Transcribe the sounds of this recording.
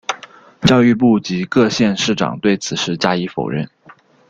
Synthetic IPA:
t͡ɕjɑ˥˧ʊy˥˧p̬u˥˩t͡ɕi˧˥kɤ˥˧ɕjɛ˥˧nʂɻ̩˥˩ʈ͡ʂɑ̰˨˩ŋt̪we˥˩ɪt͡sʰɹ̩˨˩ʂɻ̩˥˩t͡ɕja˥i˧˥fo˨˩ʊɻə̰˥˩n

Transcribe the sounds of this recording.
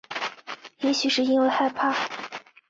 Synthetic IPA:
jɛ˧˥ɕy˨˥ʂɻ̩˥˩i˥nwe˥˧xa˥˩ɪpʰa˥˩

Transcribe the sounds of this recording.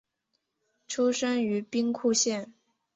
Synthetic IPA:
ʈ͡ʂʰu˥ʂə˥ŋy˧˥pi˥ŋkʰu˥˧ɕjɛ˥˩n

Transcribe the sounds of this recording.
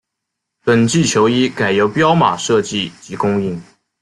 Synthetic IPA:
pə˨˩nt͡ɕi˥˩t͡ɕʰjo˧˥ʊi˥ka˨˩ɪjo˧˥ʊpjɑ˥ʊma̰˨˩ʂɤ˥˧t͡ɕi˥˩t͡ɕi˧˥kʊ˥ŋi˥˩ŋ

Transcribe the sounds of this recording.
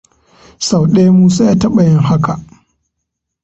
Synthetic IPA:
sa˨wɗe˦jmuː˦sa˦jaː˦tɐ˦ɓa˨jɪ˦ŋha˦kʰa˨ʔ

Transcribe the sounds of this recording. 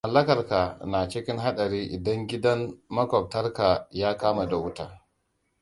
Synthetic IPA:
mɐ˨lːɐ˦kɐ˨rka˨na˨t͡ʃɪ˦kʲɪ˦ŋɦa˦ɗɐ˨ɾiː˦ʔɪ˨dɐ˦ŋɡʲɪ˦dɐ˦nːɐ˦kʷɔ˨p̚tɐ˦rka˨jaː˦kaː˦ma˨da˨wʊ˦taː˦˨

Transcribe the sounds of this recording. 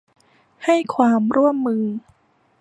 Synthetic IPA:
ha˥˩jkʰwaː˧mɾu˥˩əmːɯː˧

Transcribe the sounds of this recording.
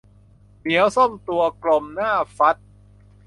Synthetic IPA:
mi˩˦əwso˥˩mt̪u˧ɐklo˧mnaː˥˩fa˦˥t̪̚

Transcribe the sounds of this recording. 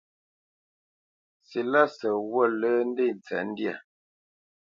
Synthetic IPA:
si˨la˦sə˨wə˦˨lə˦n̩˦de˦˨n˨t͡sɛ̰˨˦n̩˦dja˦˨

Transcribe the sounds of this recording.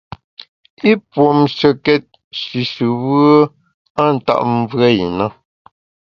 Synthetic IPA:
i˦pwo˨mʃə˨kɛ˦t̚ | ʃi˨ʃɨ˨wə˦ | a˦˨n̩˨ta̰˦ʔm˦vɰɛ˦˨i˨na˦

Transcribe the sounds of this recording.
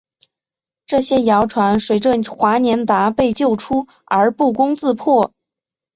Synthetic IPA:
ʈ͡ʂɤ˥˩ɕjɛ˥jɑ˧˥ʊʈ͡ʂʰwa˧˥nʂwe˨˩ɪʈ͡ʂwə˥˩xwa˧˥njɛ˧˥nt̪a˧˥pe˥˧ɪt͡ɕjo˥˩ʊʈ͡ʂʰu˥ | ə˞˧˥pu˥˩kʊ˥ŋt͡sɹ̩˥˧pʰwɔ˥˩

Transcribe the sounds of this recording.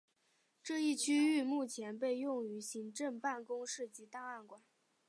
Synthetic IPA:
ʈ͡ʂɤ˥˧i˥˩t͡ɕʰy˥y˥˧mu˥˩t͡ɕʰjɛ˧˥npe˥˧ɪjʊ˥˩ŋy˧˥ɕi˧˥ŋʈ͡ʂə˥˧ŋpa˥˩nkʊ˥ŋʂɻ̩˥˩t͡ɕi˧˥t̪ɑ˥˧ŋa˥˩nkwa˨˩˦n

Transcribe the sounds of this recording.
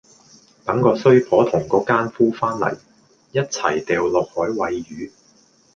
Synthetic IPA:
t̪ɐ˨˥ŋkɔː˧sɵ˥ɥpʰɔː˨˥t̪ʰʊ˨˩ŋkɔː˨˧kaː˥nfuː˥faː˥nlɐ̰˨˩j | jɐ˥t̚t͡sʰɐ̰˨˩jt̪ɛː˨wlɔː˨k̚hɔː˨˥jwɐ˨˧jjyː˨˥

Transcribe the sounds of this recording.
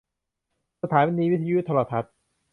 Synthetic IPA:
sa˧t̪ʰaː˩˦nwi˦˥niː˧wi˦˥t̪ʰiː˧ju˦˥t̪ʰɔ˧la˨˧˩t̪ʰa˦˥t̪̚

